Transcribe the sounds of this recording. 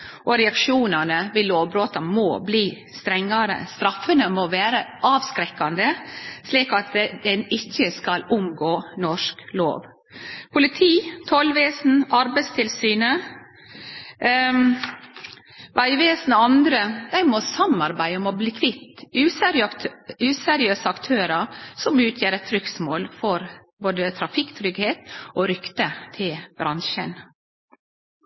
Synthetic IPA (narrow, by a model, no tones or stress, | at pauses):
ʔɔɾɛɑkʂuːnɑnəʋɪloːʋbɾoːt̪ɑmɔːbliː | st̪ɾɛŋːɑɾə̰st̪ɾɑfːənəmɔʋeːɾəʔɑːʋskɾɛkːɑnd̪əsliːkɑt̪d̪ɛnɪçːəskɑlʊmɡoːnɔʂklo̰ːʋ | pʰʊlɪt̪ʰiːt̪ʰɔlʋeːsn̩ɑɾbæɪtst̪ʰɪlsyːnə | ʋʔæɪʋeːsn̩ɔɑnd̪ɾəd̪̥æɪmɔsɑmɑɾbæɪəɔmɔbliːkʰʋɪt̪ːʉːsɛɾʉːsɛɾɪøːsəɑkt̪ʰøːɾəsɔmʉːt̪ʰjeːɾɛt̪ʰːɾʏksmoːlfɔɾboːd̪ət̪ʰɾɑfɪkːt̪ʰɾʏɡheːt̪ʔoɾʏkt̪ət̪ʰɪlb̥ɾʔɑnʃə̰n